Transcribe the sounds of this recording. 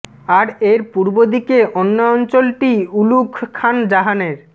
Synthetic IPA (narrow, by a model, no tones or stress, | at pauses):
aɾeɾpuɾbod̪ikeʔonːaɔnt͡ɕolʈiulukʰkʰːand͡ʑaɦaneɾ